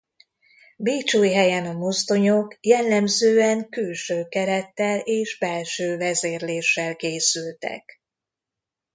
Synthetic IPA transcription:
biːt͡ʃuːjɦɛjɛnɒmost̪o̞ɲokjɛlːɛmzøːɛŋkylʃøːkɛɾɛt̪ːɛleːʒbɛlʃøːvɛzeːrleːʃːɛlkeːsylt̪ɛ̰k

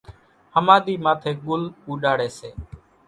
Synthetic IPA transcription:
həmaːɗ̪iːmaːt̪ʰeːɠʊluːɗaːɽeːseː

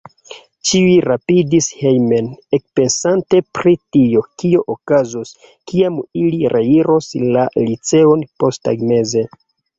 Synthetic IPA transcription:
t͡ʃiiɾapidishejme̞nek̚pe̞nsante̞pɾitio̞kio̞ʔokazos | kiamiliɾʔe̞iɾo̞slalit͡se̞o̞npo̞sta̰ɡme̞ze̞

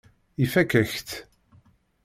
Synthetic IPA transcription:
ifækæçt̪

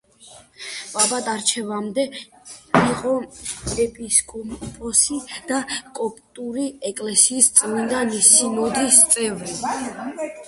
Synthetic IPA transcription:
pʼabat̪ʼaɾt͡ʃʰɛvamd̪ɛ | iqʼɔɛpʼiskʼɔmpʼɔsid̪̥akʼɔpʼt̪ʼuɾiɛkʼlɛsiːst̪sʼvind̪anisimɔd̪ist̪sʼɛvɾi

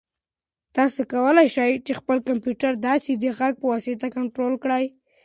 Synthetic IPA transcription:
t̪ɑsokawəlajʃajt͡ʃexpəlkampjuʈaɾd̪ɑsed̪əɣaɡ̚pəwɑset̪akaɳʈɾolkɽaj

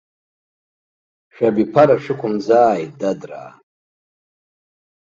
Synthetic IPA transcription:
ʃᶣabipʰaɾaʃᶣɪkʷʰʊmzaːjdadra̰ː

